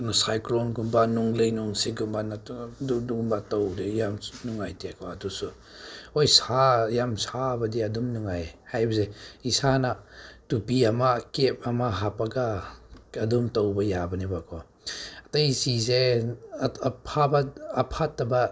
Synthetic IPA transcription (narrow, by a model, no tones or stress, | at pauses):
nsajklɔnɡumbanuŋlɯjnuŋsiɡumbanaudumbatowdijamnuŋajtekʰɔadusu | ojsajamsabɐdiadumnuŋajhajbɐzeisanatupiamakep̚amaɦapaɡa | ɐdumtɔwbɐjabɐnibakʰɔ | ɐtɐjsize | pʰabaɐpʰatːɐba